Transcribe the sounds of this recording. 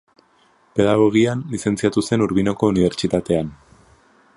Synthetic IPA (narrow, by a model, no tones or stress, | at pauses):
pe̞ð̞aɣ̞o̞ɣ̞ianlise̞nt͡siat̪use̞nuɾβino̞ko̞uniβ̞e̞ɾt͡sit̪at̪e̞an